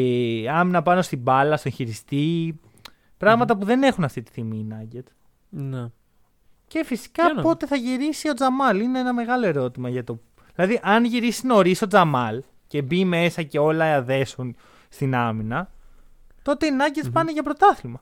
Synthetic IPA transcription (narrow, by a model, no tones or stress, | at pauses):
ɐminɐpɐno̞st̪ibɐlɐst̪oẽçiɾist̪i | pɾɐɣmɐt̪ɐpuðe̞ne̞xunɐft̪it̪i̥θimiːnɐɟet̪ | n | ce̞fisi̥kɐpo̞t̪e̞θɐʝiɾisio̞d͡zɐmɐlineenɐme̞ɣɐlo̞e̞ɾo̞t̪imɐʝɐt̪o̞ | ðilɐðiʔɐnʝiɾisino̞ɾiso̞d͡zɐmɐl | ce̞bime̞sɐce̞o̞lɐɐðe̞sun | st̪inɐminɐ | t̪o̞t̪e̞inɐɟetspɐneʝɐpɾo̞t̪ɐθilmɐ